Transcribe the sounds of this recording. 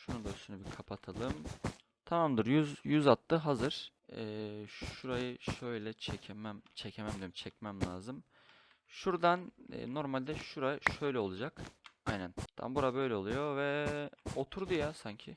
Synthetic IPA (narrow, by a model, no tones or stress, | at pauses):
ʃunund̪asʃynebikʰapʰat̪ʰalˠɯm | t̪ʰamamd̪ɯɾjyzjyzat̪lˠɯɦazɯɾ̥ɛːʃuɾajɯʃø̞jlʲɛt͡ʃʰɛcʰemæmt͡ʃʰɛcʰemæmd̪ʲeɾimt͡ʃʰɛcmæmlʲaːzɯm | ʃuɾd̪an̰ːo̞ɾmalʲd̪ɛʃuɾajʃø̞jlʲɛo̞lˠud͡ʒakajnænt̪ʰa̰mbuɾabø̞jlʲɛo̞lˠujo̞vɛo̞t̪ʰuɾd̪ujasaɲcʰɪ